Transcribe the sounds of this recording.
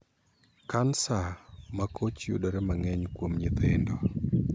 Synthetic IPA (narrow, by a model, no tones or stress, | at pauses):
kansamakʰot͡ʃjṵdɔɾɛmaŋɛɲkwomɲit̪endɔ